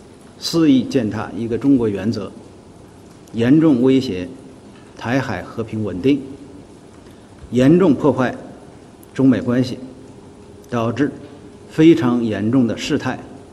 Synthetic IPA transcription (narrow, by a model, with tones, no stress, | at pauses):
sɹ̩˥˧i˥˧t͡ɕjɛ˥˧nt̪ʰa̰˥˩i˧˥ɡə˧ʈ͡ʂʊ˥ŋkwɔ˧˥ɥɛ˧˥nt͡sɤ˧˥ | jɛ˧˥nʈ͡ʂʊ˥˩ŋwe˥ɪɕjɛ˧˥ | t̪ʰa˧˥ɪxa˨˩ɪxɤ˧˥pʰi˧˥ŋwə˨˩nt̪i˥˩ŋ | jɛ˧˥nʈ͡ʂʊ˥˧ŋpʰwɔ˥˧xwa˥˩ɪ | ʈ͡ʂʊ˥ŋme˨˩ɪkwa˥nɕi˨˩ | t̪ɑ˨˩ʊʈ͡ʂɻ̩˥˩ | fe˥ɪʈ͡ʂʰɑ˧˥ŋjɛ˧˥nʈ͡ʂʊ˥˩ŋd̪ə˩ʂɻ̩˥˧t̪ʰa˥˩ɪ